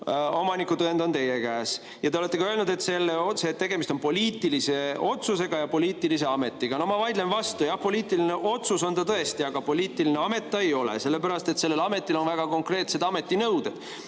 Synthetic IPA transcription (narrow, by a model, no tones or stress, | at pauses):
o̞mɑnikːˑut̪ɤend̪o̞nt̪e̞jekæːs | jɑt̪eole̞t̪ːe̞kɑøelnud̪e̞t̪se̞lːeoset̪ːe̞ɡ̥e̞mist̪o̞npo̞lʲiːt̪ˑːilise̞o̞t̪suse̞ɡ̥ɑjɑpo̞liːt̪ːˑilis̬e̞ɑme̞t̪ːˑiɡ̥ɑno̞hmɑvɑjd̪lenvɑst̪ujɑhpo̞lʲiːt̪ːˑilineʔo̞t̪suso̞nt̪ɑt̪ɤe̞st̪iɑɡ̥ɑpo̞lʲiːt̪ːˑiline̞ɑme̞t̪ːˑɑejo̞lḛse̞lːepæɾɑst̪e̞t̪se̞lːelɑme̞t̪ːˑilo̞nvæɡ̥ɑko̞ŋkre̞ːt̪se̞d̪̥ɑme̞t̪ːˑinɤwd̪ed̥